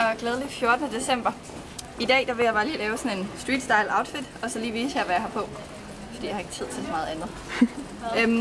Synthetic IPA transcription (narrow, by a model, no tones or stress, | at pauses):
ɒɡ̥lɛːð̞ˠəlifjo̝ɐd̥ənəd̥e̝sem̰b̥ɐ | id̥ɛ̰ːd̥ɑ̈ʋe̝jɑ̈bɑ̈ːliːlɛːʊsɒ̽ne̝nsd̥ʁiːd̥sd̥ɑ̈ɪlɑ̈ʊd̥fid̥ɒ̽sɒ̽liːʋiːsəjɑ̈ɪʋæjɑhɑ̈pʰɒ̽ | fɒd̥ḭjɑhɑ̈e̝ɡ̥t͡sʰið̞̰ˠt͡sʰe̝lsɒmɑ̈ːðˠænð̩ˠ | øm